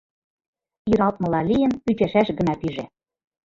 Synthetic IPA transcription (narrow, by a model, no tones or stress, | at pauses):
iɾɑlˠt̪̚mɤ̆lɑlijə̆npyt͡ɕæʃæʃɣə̆nɑp̪iʒe